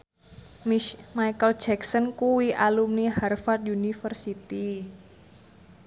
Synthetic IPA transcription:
majkəl̥d͡ʒɛksənkuwiʔalumiharfard̪̚junifərsit̪i

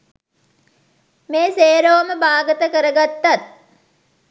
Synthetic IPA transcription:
meːseːɾoːməbaːɡət̪əkəɾəɡat̪ːat̪̚

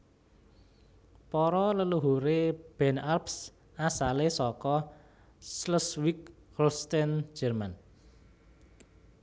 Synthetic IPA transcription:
pɔɾɔləluɦuɾeb̥ɛ̤narps | asalesɔkɔ | sləswik̚ | krust̪ɛn̥d͡ʒərman

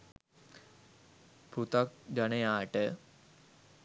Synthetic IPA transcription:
put̪ak̚d͡ʒanejaːʈə

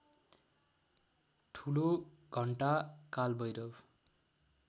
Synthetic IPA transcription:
ʈʰulo | ɡʱʌɳʈakalbʌjɾʌb

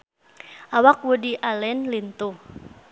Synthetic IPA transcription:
ʔawak̚wudiʔalɛnlint̪u

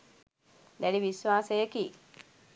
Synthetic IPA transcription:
d̪æliʋisʋaːsəjəkiː

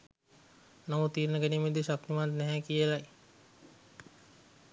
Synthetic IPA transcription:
namut̪ːiːɾnəɡænimed̪eʃak̚t̪imand̪nɛɦɛkijelaj

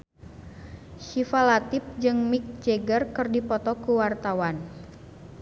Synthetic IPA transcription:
ʃifalat̪ɪp̚d͡ʒɨŋmik̚d͡ʒeɡərkɨrdipɔt̪ɔkuwart̪awan

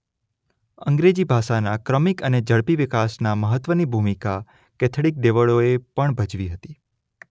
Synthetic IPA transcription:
ə̰̃ŋɡɾed͡ʒibʱaʃanakɾəmikəned͡ʒəɭpiʋɪkasnaməɦət̪ːʋənibʱumika | kɛt̪ʰɽik̚ɖ̪eʋəɭoepəɳbʱəd͡ʒʋiɦət̪i

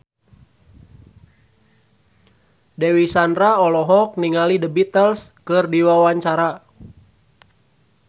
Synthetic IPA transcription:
dewisandraɔlɔɦɔk̚niŋalidəbit̪əlskɨrdiwawaɲt͡ʃaɾa

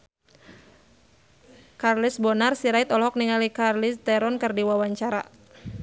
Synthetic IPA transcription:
karlisbɔnarsiɾait̪ɔlɦɔk̚niŋalikarlist̪ɛɾɔnkɨrdiwawaɲt͡ʃaɾa̰

